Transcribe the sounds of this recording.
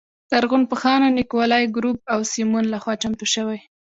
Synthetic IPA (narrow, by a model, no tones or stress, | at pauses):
d̪̥aɾɣunpəxɑnanɪkwɑlɑjɡɾup̚awsimunlaxwɑt͡ʃamt̪uʃəwaj